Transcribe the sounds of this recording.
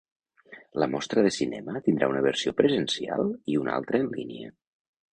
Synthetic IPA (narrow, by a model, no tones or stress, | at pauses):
ləmɔst̪ɾəðəsinɛmət̪ind̪ɾaunəβ̞əɾsiopɾəzənsia̰lˠiuna̰lˠt̪ɾəːnliniə̰